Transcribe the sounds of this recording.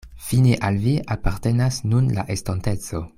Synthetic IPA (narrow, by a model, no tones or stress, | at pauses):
fineʔalviʔapaʁte̞nasnunla̰ʔestante̞t͡so̞